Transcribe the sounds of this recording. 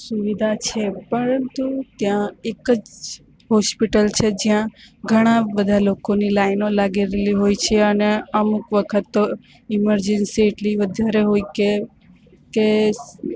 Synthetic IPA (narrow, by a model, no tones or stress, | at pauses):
suʋid̪ʱat͡ʃʰepəɾənt̪ut̪jãekəd͡ʒ | ɦɔspiʈəlt͡ʃʰed͡ʒijãɡʱəɽ̃abəd̪ʱalokonilaɪnolaɡeɾeliɦoit͡ʃʰeəneəmukʋəkʰət̪ːo | ɪməɾd͡ʒənsieʈliʋəd̪ʱaɾeɦoike | ke